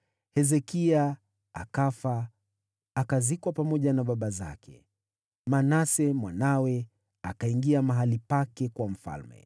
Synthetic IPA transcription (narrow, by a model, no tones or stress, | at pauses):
hɛzɛkia | a̰kafaː | kazikwapamɔʄanaɓaɓaza̰kʰɛ̰ | manasɛmwanawɛ | akaiŋɡiamaɦalipakɛkwam̩fa̰lmɛ̰